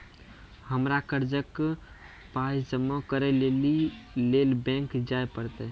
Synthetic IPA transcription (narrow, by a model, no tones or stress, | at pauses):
həmɾakəɾd͡ʒək | paid͡ʒəmːokəɾɛlelilelbɛ̃ŋkd͡ʒaepəɾt̪e